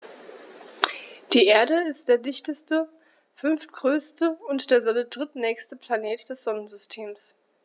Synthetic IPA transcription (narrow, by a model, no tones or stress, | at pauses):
d̥iːʔeːɐɾəɪst̚d̥eːɐdɪçtəstə | fʏnftɡ̥ʁøːstəʊntd̥eːɐzɔnədʁɪtnɛːçstəpʰl̥aneːtd̥ɛsz̥ɔnənzʏstʰeːms